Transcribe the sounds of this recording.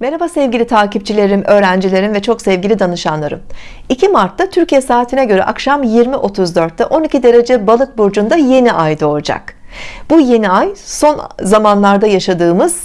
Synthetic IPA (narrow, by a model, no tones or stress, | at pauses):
mɛɾabasɛvɟʲilʲit̪ʰaːcip̚t͡ʃʰilʲe̞ɾimʔø̞ːɾænd͡ʒilʲe̞ɾinvɛt͡ʃʰo̞ksɛvɟʲilʲid̪anɯʃanlˠaɾɯm | icʰimaɾt̪ʰːat̪ʰyɾcijɛsaːt̪ʰinɛɟø̞ɾɛ̰ʔakʃamjiɾmiʔo̞t̪ʰuzd̪ø̞ɾt̪ːɛʔo̞nicʰid̪e̞ɾe̞d͡ʒɛbalˠɯt̪̚buɾd͡ʒund̪aje̞niʔajd̪o̞d͡ʒa̰kbuje̞niajso̞nzamanlˠaɾd̪ajaʃad̪ɯːmɯz̥